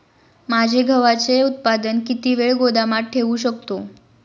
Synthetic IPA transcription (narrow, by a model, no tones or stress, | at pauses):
mad͡ʑʱeɡʱəʋat͡seut̪̚pad̪ənkit̪iʋeɭɡod̪amaʈʰːeʋũɕəkt̪o